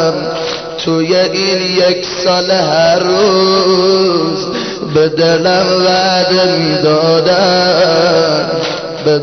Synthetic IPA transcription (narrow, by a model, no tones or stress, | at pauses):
m | t̪ʰojeʔinjekʰsɒːleɦæɾːu | z | bed̪elæmvæd̪emid̪ɔːd̪a | be